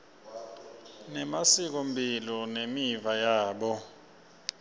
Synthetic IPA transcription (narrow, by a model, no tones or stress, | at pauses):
nɛmasik̬om̩bʱilɔnemivajaːɓɔ